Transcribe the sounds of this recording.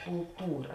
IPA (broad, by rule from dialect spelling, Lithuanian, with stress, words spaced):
kʊlˠˈtuːrɐ